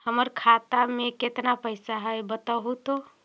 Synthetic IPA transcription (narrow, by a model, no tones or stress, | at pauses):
həməɾkʰat̪ameket̪napəɪsaɦəjbət̪əɦut̪o